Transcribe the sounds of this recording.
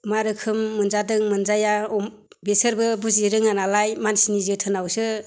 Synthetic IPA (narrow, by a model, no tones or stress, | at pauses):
maɾɯkʰɯmːɯnzadɯŋmɯnzajaɔ | besɯɾbɯbuziɾɯŋanalajmansinizɯtʰɯnawsɯ